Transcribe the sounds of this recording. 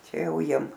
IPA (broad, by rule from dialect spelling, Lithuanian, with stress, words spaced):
ˈt͡ʃʲɛ ˈjɛʊ ˈjiɛm